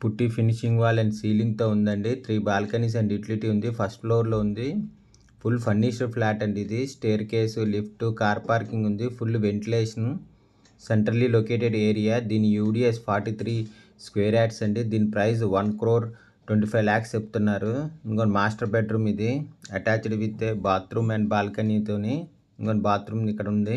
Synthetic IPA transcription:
puʈːipʰiniʃiŋɡʋaːlɐɳɖsiːliŋɡ̚t̪o̞ːund̪ɐɳɖit̪ʰɾiːbaːlkɐnis̬ɐɳɖiʈɐliʈiund̪ipʰɐsʈpʰloːɾlo̞ːund̪i | pʰulpʰɐnːiʃɐɾpʰlaːʈɐɳɖiid̪isʈeːɾkeːsulipʰʈukaːɾpaːɾkiŋɡund̪ipʰulʋe̞ɳʈileːʂɐn | seɳʈɐɾliloke̞ːʈeɖeːɾijaːd̪iːnijuːɖiːespʰaːɾʈiːt̪ʰɾiːskʋeːɾaːʈsɐɳɖid̪iːnipɾɐjsʋɐnkɾoːɾ | ʈʋeɳʈiːpʰɐjʋaːkst͡ʃeput̪unːaːɾuiŋkoːnimaːsʈɐɾbeɖɾuːmid̪iɐʈaːt͡ʃɖʋit̪ːeːbaːt̪ɾuːmɐnbaːlkɐniːt̪oːne | ŋkonibaːt̪ɾuːmikːɐɽɐund̪i

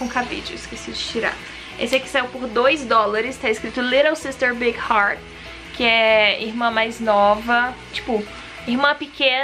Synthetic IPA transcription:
õkabḛd͡ʒʊiskesid͡ʒɪt͡ʃiɾa̰ | ḛsɪɛkɪ̥sajuwpoɾd̪ojzd̪ɔlaɾɪst̪aɪskɾit̪ʊleɾɐwsist̪eɾbiɡhaɾt | kʰɪɛiɾmɐ̃majznɔvɐt͡ʃi̥pʊ | iɾmɐ̃pɪkẽ

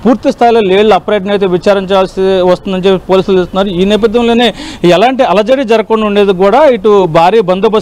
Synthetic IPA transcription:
puːɾt̪ist̪ʰaːjlo̞ːleːɭluɐpɾeːʈnet̪̬eːʋit͡ʃaːɾiɲt͡ʃjaːlsiʋɐst̪und̪ɐɲt͡ʃepːepo̞ːliːsuld͡ʒest̪unːaːɾuiːnɛːp̬ɐd̪ʱjɐmlo̞ːneːɛlaːɳʈiɐlɐd͡ʒɐɾid͡ʒɐɾɐkoɳːuɳɖeːd̪ik̬uːɽaːiʈubʱaːɾiːbɐnd̪ʱɐbɐ

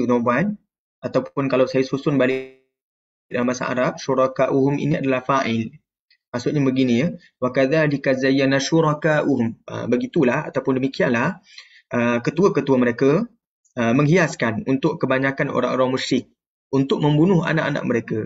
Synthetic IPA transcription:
əɲoban | ʔat̪awpʊnkalawsajasusʊnbali | dalamasa̰ʔa̰ɾap̚ʃuɾakaʔuɦʊmḭniadalahfaʔɪl | maʔsʊʔ̚ɲabəɡini | wakaðaːlikazajːanaʃuɾakaːʔuɦʊmə̰bəɡit̪ulaha̰t̪awpʊndəmikianlah | ʔəkət̪uəkət̪uwəməɾekə | əməŋɦiaskanunt̪ʊʔkəbaɲakano̰ɾa̰ŋoɾaŋmuʃɾɪk̚ | ʔunt̪ʊk̚mə̃mbunʊɦa̰na̰ʔa̰na̰ʔ̚məɾeka

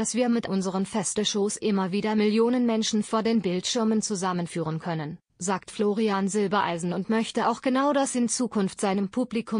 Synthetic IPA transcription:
d̥asv̥iːɐmɪtʔʊnzəʁ̞ənfɛstəʃoːsʔɪmɐviːdɐmɪljoːnənmɛnʃn̩foːɐdeːnbɪltʃɪɐmənt͡suzamənfyːʁənkʰœnən | zaːktfloːʁianzɪlbɐʔa̰ɪzn̩ʊntmœçtəʔaʊxɡ̥ənaʊɾdasɪnt͡suːkʰʊnftz̥aɪnəmpʰuːplikʰʊm

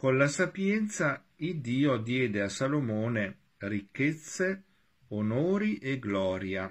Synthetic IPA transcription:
konlasapjɛnt̪sa | id̪ːiːod̪jɛːd̪easalomoːne | rikːet̪sːe | onoːɾiʔeɡlɔːɾja

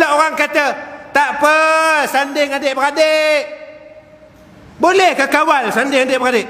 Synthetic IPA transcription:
aʔoɾaŋkat̪ət̪aʔpəsandɪŋadɪʔbəɾadeʔ | bolɛhkəkawalsandɪŋadɪʔbəɾadɪʔ

